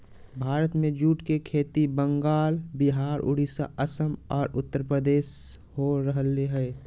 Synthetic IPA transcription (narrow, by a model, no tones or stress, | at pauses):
bʱaːɾət̪mẽd͡ʒuːʈkekʰeːt̪ibəŋɡaːlbɪɦaːɾʊ̰ɽ̤isa̰ʔəsəmɔːɾʊt̪ːəɾpɾəd̪eːʃ | hoɾəɦəleɦɛ